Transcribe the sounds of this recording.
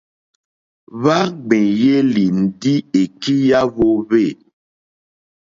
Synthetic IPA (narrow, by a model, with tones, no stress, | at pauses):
βa˦ɡ͡bɛ̃˨je˦li˨n̩˨di˦e˨ki˦ja˦βo˦βe˦˨